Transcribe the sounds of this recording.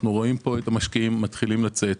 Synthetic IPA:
nuʁo̞impo̞et̪amaʃkiimːat̪χilimlat͡se̞t̪

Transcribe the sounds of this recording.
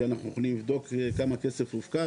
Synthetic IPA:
anaχnujoχlimlivd̪o̞kekamakese̞fuvka

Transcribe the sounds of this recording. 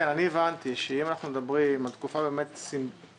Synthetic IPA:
enanievant̪iʃeimanaχnumed̪abʁimalt̪kufabe̞ːmet̪sim

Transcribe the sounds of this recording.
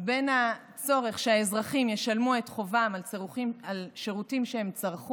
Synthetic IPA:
be̞nha | t͡so̞ʁe̞χʃeaezʁaχimjeʃalmue̞tχo̞vamalialʃe̞ʁutimʃehe̞mt͡saʁχu

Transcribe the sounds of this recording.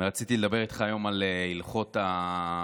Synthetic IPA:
ʁat͡sit̪iled̪abe̞ʁit̪χaːjo̞malilχo̞t̪a

